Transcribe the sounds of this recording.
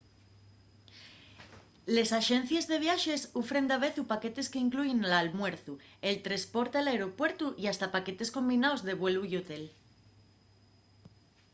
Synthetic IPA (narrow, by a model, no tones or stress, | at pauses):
le̞saʃẽn̟θje̞zðe̞βjaʃe̞sufɾe̞nd̪aβ̞e̞θupake̞t̪e̞skeiŋkluʝenlalmwe̞ɾθuelt̪ɾespo̞ɾt̪laeɾo̞pwe̞ɾt̪uʔiast̪apake̞t̪e̞sko̞mbinaozðe̞β̞weluiot̪el